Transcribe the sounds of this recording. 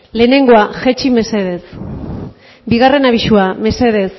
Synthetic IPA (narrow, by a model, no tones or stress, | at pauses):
le̞ːne̞ŋɡo̞aʝet͡ʃime̞seðes | biɣare̞naβiʃuame̞se̞ðe̞s